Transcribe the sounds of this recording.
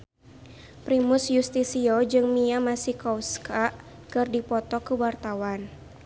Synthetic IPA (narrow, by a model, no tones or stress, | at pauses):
pɾimusjust̪isiod͡ʒɨŋmiamasikɔwskaʔ | kɨrdipɔt̪ɔkəwart̪awan